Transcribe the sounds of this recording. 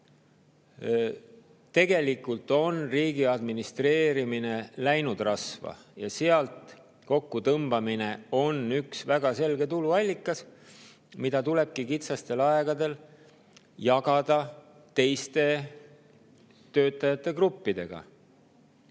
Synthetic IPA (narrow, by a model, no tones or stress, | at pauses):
t̪e̞ɡ̥e̞likːult̪ˑo̞nriːɡ̥iɑd̪minist̪re̞ːɾimine̞læjnud̪rɑsvɑ̰ | jɑseɑlt̪ | ko̞kːut̪ɤmb̥ɑmine̞o̞nyksvæɡ̥ɑse̞lɡe̞t̪uluɑlʲːikːˑɑs | mid̪̥ɑt̪ule̞b̥̚kikit̪sɑst̪e̞lɑeɡ̥ɑd̪e̞l | jɑɡ̥ɑd̪̥ɑ | t̪e̞jst̪e̞ | t̪ø̞ːt̪ːˑɑjɑt̪ːˑe̞krupːid̪̥e̞ɡ̥ɑ̰